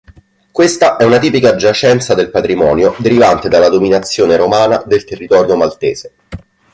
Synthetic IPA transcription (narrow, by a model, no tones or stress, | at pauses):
kwest̪aʔɛunat̪iːpikad͡ʒat͡ʃɛnt̪sad̪elpat̪ɾimɔːnjod̪eɾivant̪ed̪alːad̪ominat̪sːjoːneɾomaːna̰d̪elt̪erːit̪ɔːɾjomalt̪eːz̥e